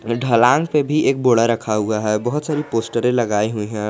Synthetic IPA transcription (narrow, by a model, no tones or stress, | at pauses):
ɖʱəlãːŋɡpebʱiʔeːk̚boːɽaɾəkʰaɦuaɦɛbəɦʊt̪saːɾipoːsʈəɾẽləɡaːiɦuiɦɛ̃